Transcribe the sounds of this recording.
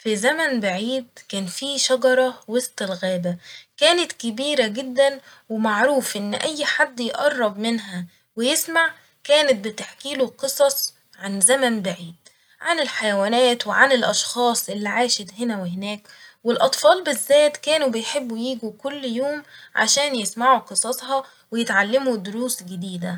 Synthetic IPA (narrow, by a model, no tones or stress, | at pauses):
fizæmænbaʕiːd̪̚kæːnfiːʃɑɡɑɾˤɑwest̪ˤɪlɣæːbækæːnɪt̪kɪbiːɾæɡɪd̪ːænwɪmaʕɾuːfʔɪnːʔæjːħad̪ːjʔɑrˤːɑbmɪnɦæ | wɪjesmaʕ | kæːnɪt̪̚bɪt̪aħkiːloqɨsˤɑsˤ | ʕanzæmænbaʕiːd̪ | ʕanɪlħajæwæːnæːt̪wɪʕanɪlʔɑʃxɑːsˤʔɪlːiʕaːʃet̪hɪnæwehɪnæːk | wɪlʔɑt̪ˤfɑːlbɪzːæːt̪kæːnubɪjħebːujiːɡukʊlːjoːmʕa̰ʃæːnjesmaʕuqɨsˤɑsˤhɑ | wɪjet̪ʕalːemud̪ʊɾuːsɡɪd̪iːd̪æ